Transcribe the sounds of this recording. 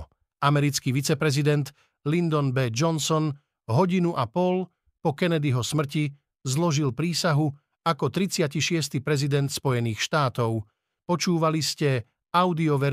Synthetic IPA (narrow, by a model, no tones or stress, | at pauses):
ʔamɛɾit͡skiʋit͡sɛpɾɛzid̪ɛnt̪ | lind̪ɔnbɛd͡ʒɔnsɔn | ɦɔɟinuʔapɔl | pɔkɛnɛd̪iɦɔsmr̩ci | zlɔʒilpɾiːsaɦu | akɔt̪ɾit͡sɪaciʃɪɛst̪ipɾɛzid̪ɛnt̪spɔjɛniːxʃt̪aːt̪ɔʊ | pɔt͡ʃuːʋaliscɛ | aʊd̪iɔʋɛ